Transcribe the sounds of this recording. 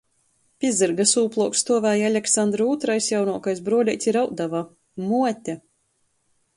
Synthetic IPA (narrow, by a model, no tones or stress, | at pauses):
pʲizɨɾɡasuːplˠuɔkst̪uɔvæːjalʲɛksand̪ɾuːt̪ɾajsjawnuɔkajsbɾuɔlʲɛjt̪ʲsʲiɾawd̪ava | muɔt̪ʲɛ